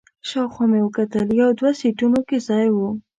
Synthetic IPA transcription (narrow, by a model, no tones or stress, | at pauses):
ʃɑwxamewəkat̪əljawd̪wasiʈunokezɑjwu